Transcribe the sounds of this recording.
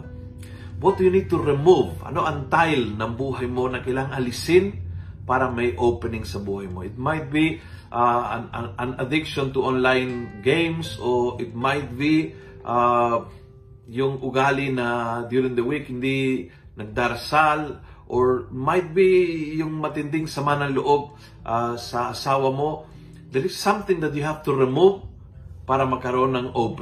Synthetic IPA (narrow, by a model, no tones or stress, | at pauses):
bɐt̪̚d̪ujʊnid̪̚t̪uɾɪmuvɐ̰no̞ʔɐnt̪ajlnɐŋbuːɦɐjmo̞nɐkɪlaŋʔɐlɪsɪn | paːɾɐmɐjʔowpɛnɪŋsɐbuːhajmoʔɪt̪̚majt̪̚bi | ʔaʔɐnɐd̪ɪkʃont̪uʔonlajnɡẽjmsoʔɪt̪̚majt̪̚bi | ʔa | jʊŋʔʊɡaːlɪnɐd̪juɾɪ̃ŋd̪ɐwikhɪnd̪i | nɐɡ̚d̪aɾɐsal | ʔoɹmajt̪̚bijʊŋmɐt̪ɪnd̪ɪŋsɐmanɐŋlʊʔob̚ | ʔasɐːsaːwɐmo̞ | d̪ɛɾɪssɐ̃mθɪ̃ŋd̪ɐt̪̚jʊɦavt̪ʊɾɪmuv | paːɾɐmɐɡ̚kɐɾoʔonɐŋʔop